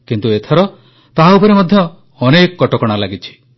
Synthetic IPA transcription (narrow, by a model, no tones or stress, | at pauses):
kint̪uet̪ʰɔɾɔ | t̪aɦaupɔɾemɔd̪ʱjɔː | nekɔkɔʈɔkɔɽ̃alaɡit͡ʃʰi̥